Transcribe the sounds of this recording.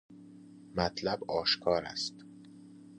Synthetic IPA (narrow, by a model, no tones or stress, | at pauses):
mæt̪ʰlæbɒːʃkʰɒːɾæ̰st̪